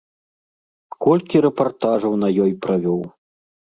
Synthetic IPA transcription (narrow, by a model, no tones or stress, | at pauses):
kɔlʲkʲiɾɛpart̪aʐɐwnɐjɔjpɾavʲɔw